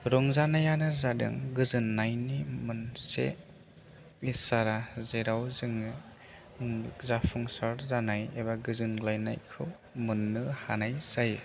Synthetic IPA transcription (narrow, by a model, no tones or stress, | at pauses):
ɾɔŋzanajanɯzadɯ̰ŋɡɯzɯnːajnimɯnsḛ | pisaɾazeɾawzɯŋɯ | zapʰuŋsaɾzanajebaɡɯzɯnɡlajna̰jkʰɯw | mɯnːɯhanajsaj